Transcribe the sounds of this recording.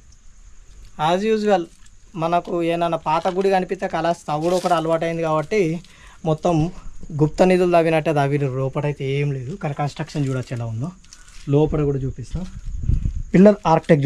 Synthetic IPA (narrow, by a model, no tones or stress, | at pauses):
aːzjuːd͡ʒuʋɐlmɐnɐkueːnɐnːɐpaːt̪ɐɡuɽikɐnipist̪eːkɐlaːst̪ɐɡuɽokuɽaːlɐʋaːʈ̬ɐjind̪iɡaːbɐʈːi | mɔt̪ːɐmɡup̚t̪ɐnid̪uld̪ɐʋinɐʈːed̪ɐʋiɾiɾɔːpɐʈɐjit̪eeːmle̞ːd̪ukɐɾɐkɐnsʈɾɐkʂɐnd͡ʒuːɽaːt͡ʃɛlaːund̪oː | lɔːpɐʈɐɡuːɽaːt͡ʃuːpist̪am | pilːɐɾaːɾkʈik̚